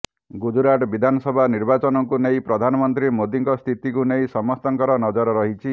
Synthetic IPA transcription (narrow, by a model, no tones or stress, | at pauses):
ɡud͡ʒuɾaʈbid̪ʱanɔsɔbʱaniɾbat͡ʃɔnɔŋkunejpɾɔd̪ʱanɔmɔnt̪ɾimod̪iŋkɔst̪ʰit̪ikunej̃sɔmɔst̪ɔŋkɔɾɔnɔd͡ʒɔɾɔɾɔɦit͡ʃʰi